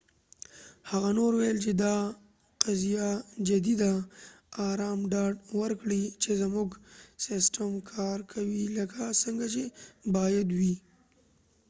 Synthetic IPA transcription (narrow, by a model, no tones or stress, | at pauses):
haɣanoɾwajlt͡ʃed̪ɑ | qazijad͡ʒad̪id̪aː | ɾɑmɖɑɖwəɾkɽit͡ʃezmuɡsɪsʈamkʰɑɾkʰawiləkasəŋɡat͡ʃebɑjad̪wi